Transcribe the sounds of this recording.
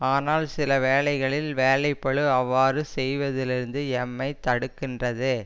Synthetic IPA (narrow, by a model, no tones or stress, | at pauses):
aːnaːlsɪlɐʋeːlɐɪɣɐɭɪlʋeːlɐɪpːɐɭɯɐʋːaːɾɯsɛjʋɐðɪlɪɾɯnd̪ɯɛmːɐɪt̪ːɐɽɯkːɪndrɐðɯ